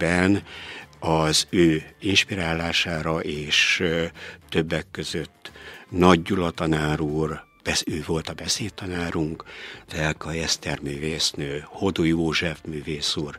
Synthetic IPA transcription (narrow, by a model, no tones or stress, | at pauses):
bɛn | ɒzøːinʃpiɾaːlːaːʃaːɾɒʔeːʃː | ø̞bːɛkːø̞zøt̪ːnɒɟːulɒt̪ɒnaːɾuːr | b̥ɛsøːvo̞lt̪ɒbɛseːt̪ɒnaːɾuŋkd̪̥ɛlkɒjɛst̪ɛrmyːveːsnøːho̞d̪ojoːʒɛfmyːveːsuːr